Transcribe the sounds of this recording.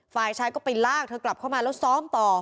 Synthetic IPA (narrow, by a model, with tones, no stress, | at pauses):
faː˨˩jt͡ɕʰaː˦˥jkɔː˥˩pa˧jlaː˥˩k̚t̪ʰɤː˧kla˨˩p̚kʰa˥˩wmaː˧lɛː˦˥wsɔː˦˥mt̪ɔː˨˩